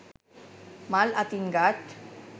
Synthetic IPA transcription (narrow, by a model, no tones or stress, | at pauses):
malat̪inɡaʈ